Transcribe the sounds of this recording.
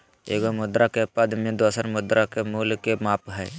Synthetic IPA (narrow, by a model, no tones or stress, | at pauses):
ḛːɡomʊd̪ɾakepəd̪mẽd̪osəɾmʊd̪ɾʔakemuːlkemaːpɦɛː